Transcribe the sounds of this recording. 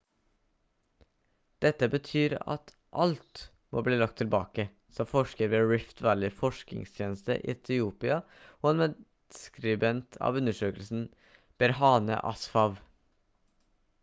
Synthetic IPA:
d̪̥ɛt̪ːəbət̪ʰyːɾɑ̰t̪ | ʔɑlt̪ | mo̰ːbliːlɑk̚t̪ʰːɪlbɑ̰ːkə | sɔmfɔʂkəɾʋeːɹɪft̪ʰʋæːɭɪfɔʂkɪ̰ŋst̪ʰjeːnəst̪ə̰ʔɪ̰ɛt̪ʰɪuːpɪɑ | oːɛːnmɛ̥ | skɾɪbɛnt̪ʰɑ̰ːʋʉnəʂøːkəlsn̩ | b̥ɛɾhɑːnə̰ʔɑ̰sfɑʋ

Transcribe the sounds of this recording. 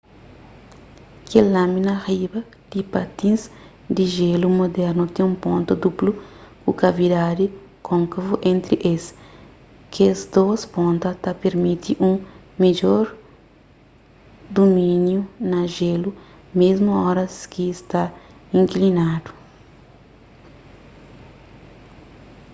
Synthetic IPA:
kelãminɐribɐ | d̪̥ipat̪ĩnz | d̪iʒelumod̪ɛɾnut̪ẽũmpõnt̪ɐd̪uplukukavid̪ad̪i | kʰõŋkɐvuʔẽnt̪ɾiʔes | kezd̪ospõnt̪ɐt̪apeɾmit̪iʔũ | med͡ʒoɾ | d̪omĩnjunɐʒelu | mezmuɔɾɐskist̪aĩŋklinad̪u̥

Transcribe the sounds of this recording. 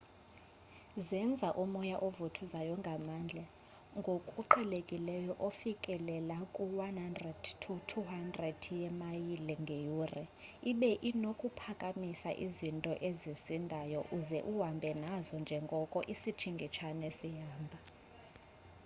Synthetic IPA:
zɛnd͡zʱaʔumɔjaʔovutʰuzajɔŋɡʱamand͡ɮʱɛ | ŋɡʱokʼuǃʰɛlekʼilɛjɔʔofikʼɛlɛlakʼuwanhandrɛd̥tʰutʰuɦandrɛdjɛmajilɛŋɡʱejurɛiɓɛʔinokʼupʰakʼamisaʔizintʼɔʔezisindʱajɔʔuzɛʔuwambʱɛnazɔnd͡ʒʱɛŋɡʱɔkʼɔʔisit͡ʃʰiŋɡʱit͡ʃʰanesijaːmbʱa

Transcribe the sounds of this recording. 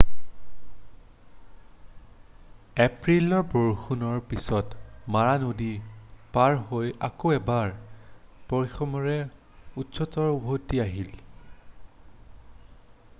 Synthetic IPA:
ɛpɹilɔɹboɹxunɔɹpisɔtmaɹanodipaɹɦoja̰koɛbaɹ | pɔɹixʰɔmɔɹɛ | utsɔtɔɹubʱotːiaɦil

